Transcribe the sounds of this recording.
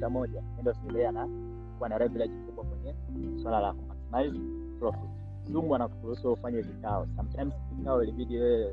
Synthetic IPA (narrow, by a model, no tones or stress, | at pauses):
amɔʄaɛndiɔsiilɛana | kuwanaɾɛvilad͡ʒimkuɓwakwɛɲɛ | swalala̰kɔmaksnaiz | plɔfit | suŋɡwanaku̥puhusuufaɲɛvikaɔ̰sam̩tajmsvikaɔiliɓiɗijɛɛ